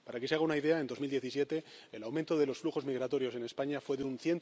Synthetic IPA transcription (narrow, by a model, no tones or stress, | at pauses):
paɾakeseaɣaunaiðe̞ae̞nd̪o̞zmild̪je̞θies̬je̞t̪e̞ | elawmẽnt̪o̞ðe̞lo̞sfluxo̞zmiɣɾat̪o̞ɾjo̞se̞ne̞spaɲafwe̞ðeunθje̞n